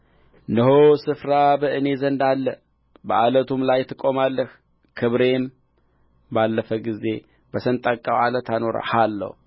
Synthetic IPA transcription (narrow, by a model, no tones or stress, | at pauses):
nəɦosɨfɾabɨʔɨne̞zənd̪alːə | bəʔalət̪ʰumlajt̪ʰːɨkʼo̞malːəh | kʰɨβɾe̞m | balːəfəɡize̞ | bəsənt̪ʼakʼawalət̪ʰano̞ɾa̰ħalːə̰h